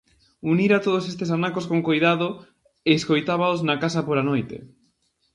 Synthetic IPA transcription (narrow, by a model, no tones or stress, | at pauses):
uniɾat̪oð̞osest̪es̬anakoskoŋkojðaðo | eːskojt̪aβaoznakasɐpoɾanojt̪ḛ